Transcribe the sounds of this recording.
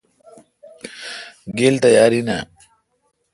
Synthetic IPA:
ɡelt̪ɐjaɾina̰

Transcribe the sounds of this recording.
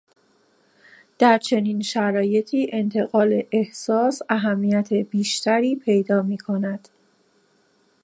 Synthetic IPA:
d̪̥æɾt͡ʃʰe̞niːnʃæɾɒːje̞t̪ʰiːʔe̞nt̪ʰe̞ɣɒːle̞ʔehsɒːsæɦæmːijæt̪ʰebiːʃt̪ʰæɾiːpʰe̞jd̪ɒːmiːkʰo̞næd̪̥

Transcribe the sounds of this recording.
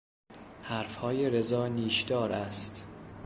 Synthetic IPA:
hæɾfhɒːjeɾezɒːniːʃd̪ɒːɾæst̪

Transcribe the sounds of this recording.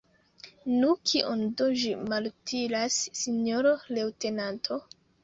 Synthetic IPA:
nukʰiʔondoʒimaltʰiɾasːiɲoɾole̞wte̞nantʰo̞

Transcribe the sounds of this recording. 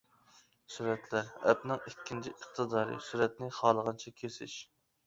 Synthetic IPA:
suɾɛt̪læɾɛ̰pnɪŋikʲʰːint͡ʃʰiʔəχt̪ʰɨd̪ɑːɾɨ̰syɾɛt̪̚nɪχɑːlˠəʁɑnt͡ʃʰɛkʲʰesɪʃ

